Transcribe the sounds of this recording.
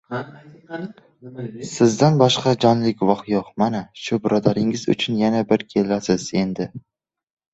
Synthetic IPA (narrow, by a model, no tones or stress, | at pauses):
sɪzd̪anbɒʃqɑd͡ʒɒnlɪkʲvɒχjoqmanaʃʊbɪɾɒd̪aɾɪŋɪzʊ̰t͡ʃʰʊnjanabɪɾkʲʰe̞lasɪz̥e̞nd̪ɪ